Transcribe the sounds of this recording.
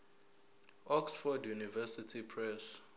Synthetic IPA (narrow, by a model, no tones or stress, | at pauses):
ɔksfɔdjunivɛsitʰipʰrɛs